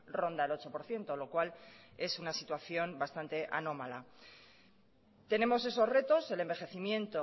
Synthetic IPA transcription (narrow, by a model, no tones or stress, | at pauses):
ro̞nd̪aelo̞t͡ʃo̞po̞ɾθje̞nt̪o̞lo̞kwale̞sunasit̪waθjo̞mbast̪ant̪e̞ʔano̞mala | t̪e̞ne̞mo̞se̞so̞zre̞t̪o̞se̞le̞mbe̞xe̞θimjẽ̞nt̪o